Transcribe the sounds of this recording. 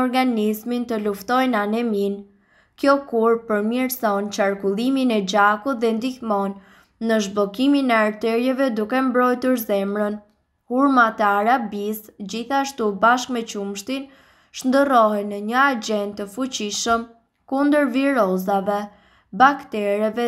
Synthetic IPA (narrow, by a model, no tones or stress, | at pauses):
ɔɾɡanizmint̪əluft̪ɔjnanɛmin | kjɔkuɾpəɾmiɾsɔnt͡ʃaɾkulˠiminɛd͡ʑakut̪̚ðɛnd̪ihmɔnː | əʒbɔkiminɛaɾt̪ɛɾjɛvɛd̪ukɛmbɾɔjt̪uɾzɛmɾən | huɾmat̪ɛaɾabisd͡ʑiθaʃt̪ubaʃkmɛt͡ɕumʃt̪in | ʃnd̪ərɔhɛnəɲəad͡ʑɛnt̪əfut͡ɕiʃəm | kund̪əɾviɾɔzavɛ | bakt̪ɛɾɛvɛ